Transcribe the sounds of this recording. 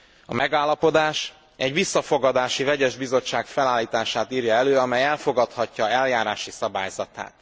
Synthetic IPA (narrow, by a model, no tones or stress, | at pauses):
ɒ̰mʔɛɡaːlːɒpo̞d̪aːʃ | ɛɟʋisːɒfo̞ɡɒd̪aːʃivɛɟɛʒbizo̞t͡ʃːaːkfɛlaːlːiːt̪aːʃaːt̪iːɾjɒɛløːɒmɛjɛlfo̞ɡɒt̪hɒcːɒɛljaːɾaːʃisɒba̰ːjzɒt̪a̰ːt̪